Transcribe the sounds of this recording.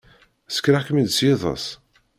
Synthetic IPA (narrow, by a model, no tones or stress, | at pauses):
sə̥kɾakəmid̪sjeðˤə̰sˤ